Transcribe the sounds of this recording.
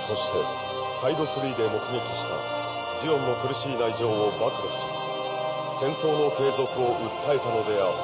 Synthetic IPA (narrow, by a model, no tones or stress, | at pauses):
so̞ɕi̥t̪e̞ | said̪o̞sɨɾʲiːd̪e̞mo̞kɯ̟ɡe̞kʲi̥ɕi̥t̪a̰ | d͡ʑijõ̞nːo̞kɯ̟ɾɯ̟ɕiːnaiʑo̞ːobakɯ̟ɾoɕi̥ | sẽ̞ɰ̃so̞ːno̞t̪e̞ːzo̞kɯ̟o̞ʔɯ̟t̪ːae̞t̪ano̞d̪e̞aɾɯ